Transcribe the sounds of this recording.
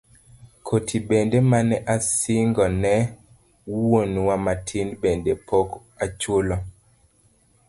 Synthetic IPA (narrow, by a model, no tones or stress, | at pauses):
kʰotʰibendemanɛʔasɪŋɡɔnɛ | wonwamatʰinbendepʰok | at͡ʃolo